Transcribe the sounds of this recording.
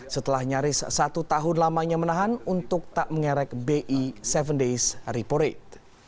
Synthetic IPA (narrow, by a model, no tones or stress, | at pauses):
sət̪əlahɲaɾɪssat̪ut̪aɦʊnlamaɲamənaɦanunt̪ʊk̚t̪aʔməŋɛɾɛk̚beʔisɛvəndesripoɾet̪̚